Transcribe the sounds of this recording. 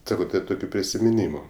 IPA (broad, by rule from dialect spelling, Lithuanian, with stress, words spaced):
ˈsɑːkoː tɐɪ ˈtoːkʲʊ pʲrʲɪsʲɪmʲɪˈnʲiːmʊ